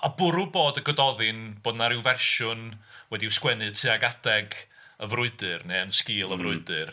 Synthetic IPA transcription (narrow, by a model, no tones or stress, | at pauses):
abʊɾuboːdəɡɔdɔðɪnb̥oːdnaɾɪwvɛrʃʊnwɛdiwskwɛnɨðtʰɨaɡad̥ɛɡ | əvrʊɨdɨrneənskɪːlˠəvrʊɨdɨr